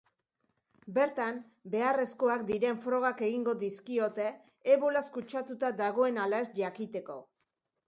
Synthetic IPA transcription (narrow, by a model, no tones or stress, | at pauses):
be̞ɾt̪am | be̞are̞sko̞akd̪iɾe̞ɱfɾo̞ɣ̞ake̞ɣiŋɡo̞d̪iskio̞t̪e̞ː | βolaskut͡ʃat̪ut̪ad̪aɣ̞o̞e̞nalaesʎakit̪e̞ko̞